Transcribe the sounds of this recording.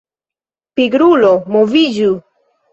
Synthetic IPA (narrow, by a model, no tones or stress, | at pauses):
piɡɾulomovid͡ʒu